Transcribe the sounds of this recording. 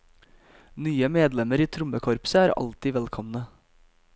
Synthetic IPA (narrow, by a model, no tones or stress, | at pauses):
nyːəmeːd̪lɛməɾiːt̪ʰɾʊməkʰɔɾpsəæːɾɑ̰lt̪ɪːʋɛlkʰɔmnə